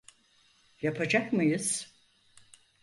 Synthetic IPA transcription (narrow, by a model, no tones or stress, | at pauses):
japʰad͡ʒakmɯjɯz̥